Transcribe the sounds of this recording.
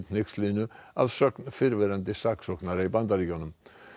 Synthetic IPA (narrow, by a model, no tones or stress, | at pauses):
t̪nɪkslinʏa̰ðsœknfɪɾvɛɾant̪ɪsaksɔknaɾaibant̪aɾicɔnʏm